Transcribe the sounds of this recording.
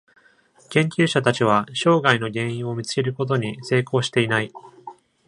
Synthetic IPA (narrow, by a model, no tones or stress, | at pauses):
kẽ̞ŋkʲɨːɕat̪at͡ɕiβ̞aɕo̞ːɡaino̞ɡẽ̞ɰ̃ĩɰ̃o̞mʲit͡sɨ̥ke̞ɾɯ̟ko̞t̪o̞ɲ̟ise̞ːkʰo̞ːɕi̥t̪e̞inai